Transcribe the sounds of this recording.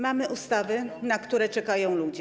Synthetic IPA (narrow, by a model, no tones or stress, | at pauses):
mamɘʔust̪avɘnakt̪uɾɛt͡ʂɛkajɔ̃w̃lud͡ʑɛ